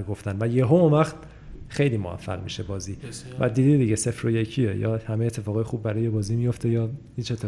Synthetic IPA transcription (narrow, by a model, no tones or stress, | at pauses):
ɾɡoft̪ænvæjeɦoomæxd̪ | xe̞jliːmoæ̰fːæ̰ɣmḭʃebɒːziːvæ̰d̪iːd̪id̪iɟese̞fɾojecʰiejɒ̰ːhæmejet̪ʰːefɒːɣɒːjexuːbbæɾɒːjebɒːziːmijo̞ft̪ʰejɒːhiːt͡ʃet̪ʰːe